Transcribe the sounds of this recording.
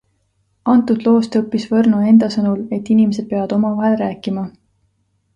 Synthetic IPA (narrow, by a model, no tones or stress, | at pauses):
ɑnt̪ˑud̪lo̞ːst̪ɤpːisvɤrnoe̞nd̪̥ɑsɤnule̞t̪ːinimese̞d̪̚pe̞ɑɑd̪o̞mɑvɑɦe̞lræːkːˑimɑ